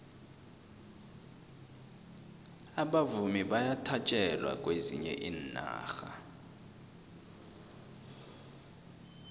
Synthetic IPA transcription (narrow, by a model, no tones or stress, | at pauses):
aɓavumiɓajatʰat͡ʃʼɛlwa̰kʼwezḭɲɛ̰ʔiːnna̰ːxa